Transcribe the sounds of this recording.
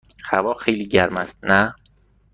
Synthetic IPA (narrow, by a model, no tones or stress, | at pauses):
hævɒːxejliːɟæɾmæst̪̚næ